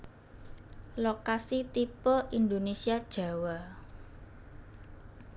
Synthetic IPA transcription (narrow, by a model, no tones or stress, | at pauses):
lokasit̪ipəind̪onesiad̥ʒ̥a̤wa